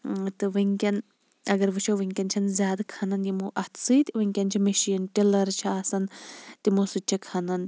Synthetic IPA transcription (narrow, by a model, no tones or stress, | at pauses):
t̪ɨʋɨŋʲkʲɐn | ɐɡɐɾʋɨt͡ʃʰoʋɨŋʲkʲɐnt͡ʃʰɐnzʲaːd̪kʰɐnɐnjimoʔɐt̪ʰsɨːt̪iʋɨŋʲkʲɐnt͡ʃʰimeʃiːnʈilɐɾt͡ʃʰiaːsɐnt̪imosɨt͡ʃʰikʰɐnɐn